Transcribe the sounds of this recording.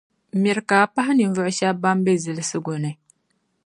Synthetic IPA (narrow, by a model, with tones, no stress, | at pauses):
mi˨ɾkaː˨pa˦ɦɪ˦ni˨ɱ˨vʊ˦ʔʊ˦ʃa˦ba˦m˦bɛ˦zɨ˨lɨ˦sɨ˦ɡo˨nɨ˨